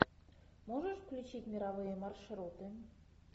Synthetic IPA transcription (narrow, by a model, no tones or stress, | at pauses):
moʒə̆ʃklʲut͡ɕit̪ʲmʲiɾɑβɤjĕmɑrʃɤ̆ɾut̪ĕnʲ